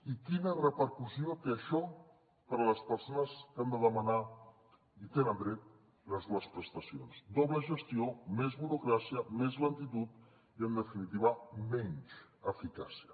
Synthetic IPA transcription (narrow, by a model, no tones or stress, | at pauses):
ikinərəpəɾkusiot̪eəʃɔ | pəɾələspəɾsonəskand̪əðəməna | it̪enənd̪ɾɛt̪̚ | ləzðuəspɾəst̪əsijonzd̪ɔβləʒəst̪iomezβuɾukɾasiəmɛzlənt̪it̪ut̪ | iənd̪əfinit̪iβ̞əmɛɲt͡ʃəfikasiə